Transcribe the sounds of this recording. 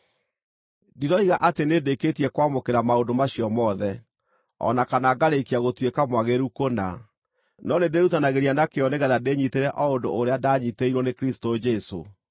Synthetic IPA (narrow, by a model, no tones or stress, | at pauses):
diɾɔiɣaʔatenedeketiɛkwamokeɾamaondomaɕiɔmɔðɛ | ɔ̰nakanaɡaɾeikiaɣotwekamwaɣeɾukona̰ | nɔnedeɾutanaɣeɾianakeɔneɣɛðadeɲiteɾɛʔɔondoːɾeadaɲiteiɾwɔnekɾistod͡ʒɛso̰